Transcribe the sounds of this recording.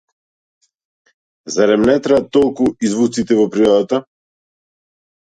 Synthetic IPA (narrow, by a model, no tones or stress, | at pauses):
zaɾɛmnɛt̪ɾɛat̪ːɔlˠkuizvut̪sit̪ɛvɔpɾiɔd̪at̪a